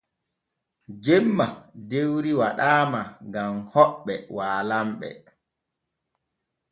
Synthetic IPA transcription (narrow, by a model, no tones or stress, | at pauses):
d͡ʒɛmːadewɾiwaɗaːmaɡamhɔɓːɛwaːlamɓɛ̰